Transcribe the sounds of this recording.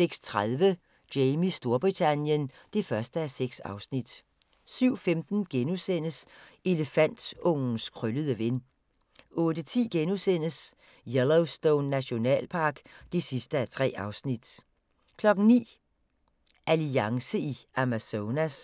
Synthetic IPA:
seɡ̥st͡sʰʁaðˠʋə | d̥eɪmisd̥o̝ɐb̥ʁit͡sʰænjən | d̥e̝fɶɐsd̥əæseɡ̥sɑ̈ʊsnid̥ | syʊ̰femd̥n̩ɡ̥enusen̰əse̝ləfæn̰d̥ɔ̽ŋ̰n̩skʰʁøləð̞ˠəʋe̝n | ʔɔ̽ːd̥ət͡sʰḭːɡ̥enusen̰əs | jeloʊsd̥oʊnːæɕo̝nɛ̰ːlpʰɑ̈ːɡ̥d̥e̝sisd̥əæɐt͡sʰʁɛ̰ːɑ̈ʊsnid̥ | kʰlɒ̽ɡ̥n̩nḭː | ʔæliɑ̈ŋsəiæmæsoːnæs

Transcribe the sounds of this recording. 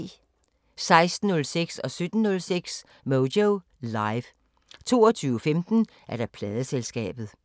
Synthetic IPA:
sɑ̈ɪsd̥n̩ːɔ̽lseɡ̥sɒ̽sød̥n̩ːɔ̽lseɡ̥s | moʊdoʊ | lɑɪʋ | t͡sʰo̝̰ːɒt͡sʰyːʊəfemd̥n̩ | ʔæɐɾ̥ɑ̈pʰlɛːð̞ˠəselsɡ̥ɛ̰ːb̥ð̩ˠ

